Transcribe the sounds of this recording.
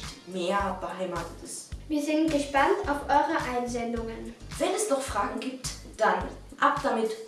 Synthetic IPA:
tmeːɐb̥əhaɪmaːtətɪstviːɐzɪntɡ̥əʃpantaʊfʔɔʏʁəʔaɪnzɛndʊŋənv̥ɛnɛsnɔχfʁ̥aːɡŋ̩ɡiːp̚t | d̥an | ʔapd̥amɪt

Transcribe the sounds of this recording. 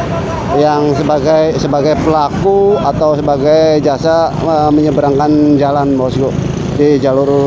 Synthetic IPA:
jaŋsəbaɡajsəbaɡajpəlakuat̪awsəbaɡajd͡ʒasa | əməɲəbəɾaŋkand͡ʒalanbausɡɔ | did͡ʒalur

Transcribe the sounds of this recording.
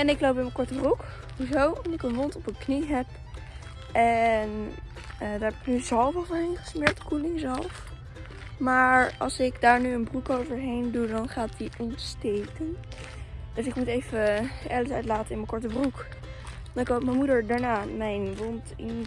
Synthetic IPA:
ɛnɪklowp̬ɪnməkɔɹtəbruk | uzowɔnɪkənʋɔntɔpənkniɦɛp̚ | ɛn | ədaːɹɦɛpɪknyzɑlˠfɔlˠvɔnɪnχəsmɪɹk̚tkulɪŋzɑlˠf | maːɹɑ̰lˠsɪkdaːɹnyənbrukowvəɹɦejndudɑnχaːtdiʔɔntstejkən | d̥øsɪkmutejvəʔɛ̰ləsœɥtlaːtənɪnməkɔɹtəbruk | dɑnɪkop̚mɛmudəɹdaːɹnaːmɛjnʋɔnt | ɪn

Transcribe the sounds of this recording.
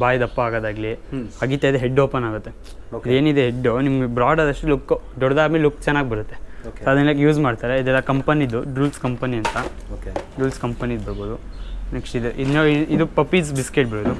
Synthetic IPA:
baːjɐd̪ɐpːɐaːɡɐːd̪aːɡlihɐɡit̪aːjd̪eɦeɖːoːpɐnaːɡut̪ːe̞ | id̪eːnid̪eɦeɖːonimɡebɾaːɖɐd̪ɐʂʈulukːd̪ɔɽɐd̪aːɾmelukːt͡ʃɛnːaːɡbɐɾut̪ːe̞oɐd̪ɐnɐɡjuːd͡ʒmaːɖt̪aːɾeid̪ɛlːɐkɐmpɐnid̪ːuɖuːlskɐmpɐniɐnt̪ɐ | okɖuːlskɐmpɐnid̪bɐɾboːd̪unekʂʈid̪ʔid̪noːid̪upɐpiːs̬biskeʈbɐɾboːd̪u

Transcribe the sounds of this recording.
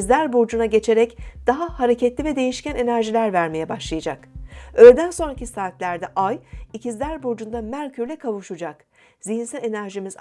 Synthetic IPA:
zlʲæɾbuɾd͡ʒunaɟe̞t͡ʃʰe̞ɾɛcd̪̥aɦahaɾe̞cʰɛt̪lʲivɛd̪e̞jiʃcæne̞næɾʒilʲæɾvæɾme̞jɛbaʃlˠajad͡ʒakølʲed̪ænso̞nɾacʰisaːt̪lʲæɾd̪ɛʔajicizlʲæɾbuɾd͡ʒund̪amæɾʲcʰyɾlʲɛkʰavuʃud͡ʒak | ziɦinsælʲe̞næɾʒimiz

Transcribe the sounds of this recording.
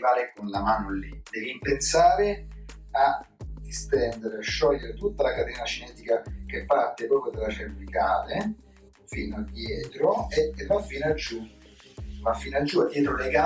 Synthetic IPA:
vaːɾekonlamaːnolid̪̥ɛːvimpensaːɾe | a | d̪ist̪ɛnd̪eɾeaʃːɔʎːeɾet̪ut̪ːalakat̪ɛːnat͡ʃinɛːt̪ikak̟epːart̪epɾɔːpɾjod̪elːarebɾikaːle | fiːnoad̪ːjɛːt̪ɾoevafːiːnad͡ʒːu | mafːinad͡ʒːuad̪jɛːt̪ɾoleɡa

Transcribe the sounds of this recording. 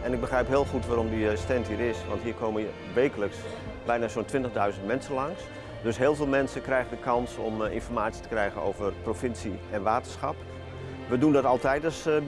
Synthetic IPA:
ɛnɪɡ̚bəxrɛjpɦɪəlˠxutʋaːɾɔmdistɛntɦiːɪsʋɑ̰ntɦiːrkʰoːmə | ʋeːkələks | bɛjnaːsoːntʋɪntəɣdœɥzəntmɛnsənlɑŋs | døsɦɪːlˠvɪːlˠmɛnsəkrɛjɣəndəkʰɑnsɔmɪ̰nfɔrmaːt͡ssi̥ə̥tə̥krɛjɣəno̰wvərprofɪnsiɛnʋaːtərsxɑp | ʋədundɔtɑlˠtɛjdəs

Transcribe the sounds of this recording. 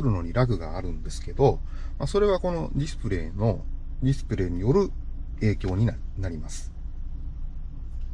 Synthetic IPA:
ɾɯ̟no̞ɲ̟iɾaɡɯ̟ɡaːɾɯ̟̃nd̪e̞sɨ̥ke̞d̪o̞ | maso̞ɾe̞βako̞no̞d̪ʲisɨ̥pɯɾe̞ːno̞ | dʲisɨ̥pɯ̟ɾe̞ːɲ̟ijo̞ɾɯ̟ | e̞ːkʲo̞ːɲ̟ianaɾʲimasɨ̥

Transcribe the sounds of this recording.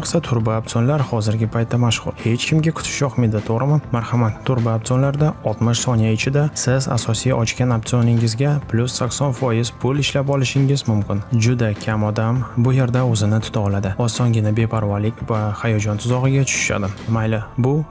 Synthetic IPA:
qsat̪ʰʊɾbaːp̚t̪onlaɾhɒzɪɾɡʲɪpʰajt̪ːamaʃχʊ̰ɾhe̞t͡ʃkʲʰɪmɡʲakʰʊ̥t̪ʰɪ̥ʃɒχmed̪ɪt̪ʰoʁɾɪmamaɾhamat̪ʰːʊɾbaap̚t̪onlaɾd̪aɒlˠt̪mɪʃsɒnijaɪt͡ʃʰɪd̪asɪza̰sɒsijɒt͡ʃkʲanap̚t̪ionɪŋɪzɡʲapʰlʲʊsːakʲsɒnfɒjɪzpʰʊlɪʃlapɒlɪʃɪŋɪzmʊmkʲɪnd͡ʒʊd̪akʲʰamɒd̪ambʊje̞ɾd̪aɵzɪnɪt̪ʰʊ̥t̪ʰaɒlad̪ɪɒsɒnɡʲɪnabe̞pʰaɾvɒlɪkʲvahajɒd͡ʒɒnt̪ʰʊzɒʁɨɡʲat͡ʃʰʊ̥ʃʊ̥ʃa̰d̪ɪmajlɪbʊ

